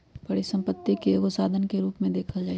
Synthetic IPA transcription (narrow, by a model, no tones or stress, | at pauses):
b̥ɐɽisɐ̃mpət̪ːikeɡʊsaːd̪ʱənkeɾuːpmẽd̪eːkʰəld͡ʒaːi